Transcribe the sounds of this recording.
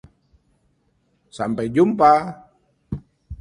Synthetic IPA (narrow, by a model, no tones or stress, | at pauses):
sampajd͡ʒumpa